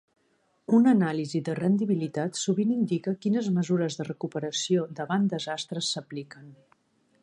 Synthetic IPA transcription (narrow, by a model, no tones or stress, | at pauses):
unənaliziðərənd̪iβilit̪at̪suβinind̪ikəkinəzməzuɾəzðərəkupəɾəsiod̪əβand̪əzast̪ɾəsːəplikən